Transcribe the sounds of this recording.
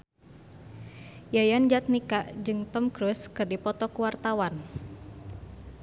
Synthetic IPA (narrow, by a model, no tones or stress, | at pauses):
jajand͡ʒat̪̚nikaʔd͡ʒɨŋt̪ɔmkɾuskɨrdipɔt̪ɔkuwart̪awan